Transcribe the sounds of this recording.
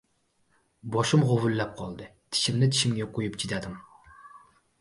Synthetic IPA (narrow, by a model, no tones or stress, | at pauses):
bɑʃɨmʁovɨlːɛp̚qʰɑlˠd̪ɨt̪ʰi̥ʃimnɪt̪ʰi̥ʃimɡʲɛqʰojupt͡ʃʰid̪ɛd̪ɪm